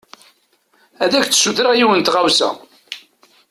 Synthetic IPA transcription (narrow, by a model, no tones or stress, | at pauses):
æðæçt͡sːsuθɾaʁjiwənt̪ʁawsæ̰